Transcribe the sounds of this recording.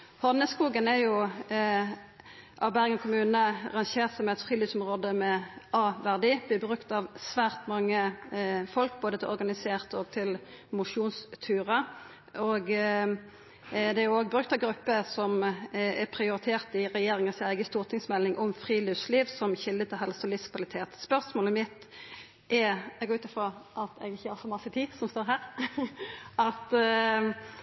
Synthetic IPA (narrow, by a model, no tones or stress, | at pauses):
hɔʁnəskuːɡənɛjʊ | ʔɑʋbæʁɡəkʰʊmʉːnəɑ̰ʁɑnɕeːʁt̪sɔmɛt̪fʁiːliːʋsɔmʁoːd̪əmɛʔɑːʋæʁd̪iːb̥lɪːbʁʉkt̪ɑʋsʋæːʁt̪mɑŋːəfɔlk̚boːd̪ət̪ʰɪlʔɔʁɡɑnɪseːʁt̪ɔːɡ̚t̪ʰɪlmʊʂuːnst̪ʰʉːʁə | oɡ | d̪ɛæɾjʊoːɡbʁʉk̚t̪ɑʋɡɾʉpːəsɔmɛpʰʁɪʊɾɪt̪ʰeːʁt̪ɪʁɛjeːɾɪŋəsæɪɡəst̪uːʁt̪ʰɪŋsmɛlːɪŋʔɔmfʁiːlʏsliːʋsɔmçɪld̪ət̪ʰɪlɦɛlsɔlɪskʰʋɑlɪt̪ʰeːt̪spœɾsmoːləmɪt̪ | ʔɛɛɡɔʉːt̪əfɔʔɑt̪ʰɛɡɪçːəhɑsɔmɑsːət̪ʰiːsɔmst̪oːɾɦæːɾ | ɑt̪